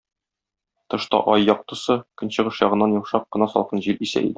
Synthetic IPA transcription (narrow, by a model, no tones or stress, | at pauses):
t̪ɤ̆ʃt̪ɑ̰ʔɒjːɒq̚t̪ɤ̆sɤkɵ̆nɕɤ̆ʁɤʃjɒʁɤ̆nːɑnjɒlʃɑq̚ːɤ̆nɑsɒ̰lˠqɤnʑiɾisæ̰ʔḭd̪ɘ